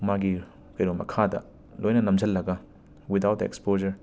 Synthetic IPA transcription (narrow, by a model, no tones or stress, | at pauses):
maɡi | kɐjɾomɐ̰kʰadɐ̰ | lʔojnɐnɐmd͡ʒɐlːɐɡɐ | wid̪awtḛkspod͡ʒɐɾ